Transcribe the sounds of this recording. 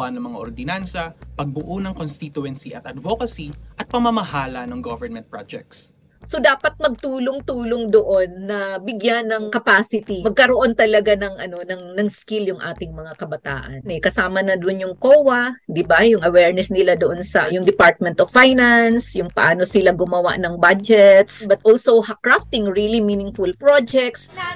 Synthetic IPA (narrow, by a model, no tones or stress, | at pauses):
anɐŋmɐŋaʔoɾd̪ɪnansɐpɐɡ̚bʊʔonɐŋkonst̪it̪ʊɛnsiʔɐt̪ɐd̪vokɐsiʔɐt̪̚pɐmɐmɐhaːlɐnɐŋɡovɛɹnmɛnt̪̚pɹad͡ʒɛ̰k̚t̪s | so̞d̪aːpɐt̪̚mɐɡ̚t̪uːloŋt̪uːloŋd̪oʔo̞nːɐbɪɡjanːɐŋkɐpaːsɪt̪imɐɡ̚kɐɾo̞ʔo̞nt̪ɐlɐɡanɐŋʔɐno̞nɐŋnɐŋskiljʊŋʔa̰ːt̪ɪŋmɐŋakɐbɐt̪a̰ːʔɐnʔɛkɐsaːmɐnɐd̪onjʊŋkoːwɐd̪ɪbajʊŋʔɐwɛɹnɛsnɪlad̪oʔonsɐ̰jʊŋd̪ɛpaɹt̪̚mɛ̃nt̪offajnansjʊŋpɐʔaːnosɪlaɡʊmɐwa̰ʔnɐŋbad͡ʒɛt̪sbɐt̪ʔolsowhakɹaft̪ɪŋɹiliminɪŋfulpɹod͡ʒɛk̚t̪s